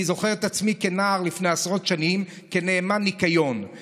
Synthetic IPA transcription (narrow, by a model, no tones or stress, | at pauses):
izo̞χeʁet̪at͡smikenaːʁlifneasʁo̞tʃanim | keneːmanikajo̞n